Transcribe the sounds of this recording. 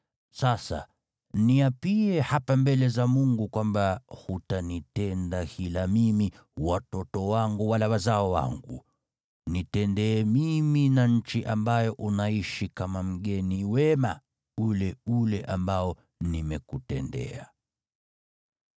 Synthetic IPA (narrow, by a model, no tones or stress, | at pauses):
sasa̰ | niapiɛhapambɛlɛzamuŋɡukwambahutanitɛndahilamimi | watɔtɔwaŋɡuwalawazaɔwa̰ŋɡu | nitɛndɛːmiminaɲ̩t͡ʃiʔambajɔʔunaiʃikamam̩ɠɛniwɛma | ulɛulɛʔambaɔ | nimɛkutɛndɛ̰a